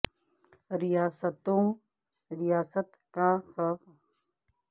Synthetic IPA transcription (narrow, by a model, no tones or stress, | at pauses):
ɾɪjaːsət̪õː | ɾɪjaːsət̪kaxɐf